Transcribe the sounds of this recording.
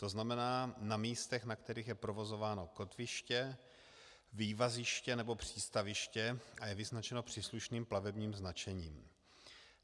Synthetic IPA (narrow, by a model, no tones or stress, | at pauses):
t̪o̞znamɛnaːnamiːst̪ɛxnakt̪ɛɾiːxjɛpɾovo̞zo̞vaːno̞ko̞t̪vɪʃcɛ | viːvazɪʃcɛnɛbo̞pr̝̥iːst̪avɪʃcɛajɛvɪznat͡ʃɛnopr̝̥iːsluʃniːmplavɛbɲiːmznat͡ʃɛɲiːm